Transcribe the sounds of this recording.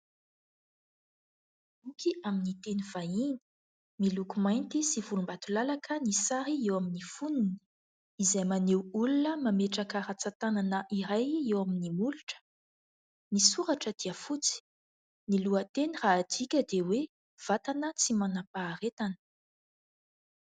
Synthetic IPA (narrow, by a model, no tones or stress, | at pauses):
bukiʔaminit̪eniv̥aini̥ | milukumajnt̪isivulumbat̪ulalakʰənisaɾiewaminifunini̥ | izajmanewulunəmameʈ͡ʂakəɾat͡sat̪ananəʔiɾajewaminimuluʈ͡ʂə̥ | nisuɾaʈ͡ʂəd̪̥iəfut͡si̥ | niluət̪eniraːd̪ikʲəd̪ewe | v̥at̪anət͡simanapaːɾet̪anə̥